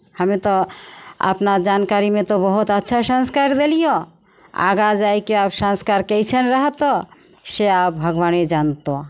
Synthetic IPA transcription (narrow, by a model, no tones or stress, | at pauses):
həmet̪ɔə̰pnad͡ʒankaɾimẽt̪ɔbəɦut̪ətːʃʰasə̃nskaɾd̪elijo | a̰ɡad͡ʒajkeapsãnskaɾkɛt͡ʃʰənɾəɦət̪ɔ | seap̚bʱəɡʋaned͡ʒant̪o